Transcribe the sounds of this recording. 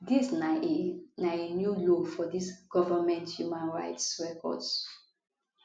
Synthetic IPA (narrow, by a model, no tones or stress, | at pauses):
dis | naenjulofɔdisɡ̥ɔvəmɛ̃nthjumãnɹa̰ɪtsɹɛkɔ̰ds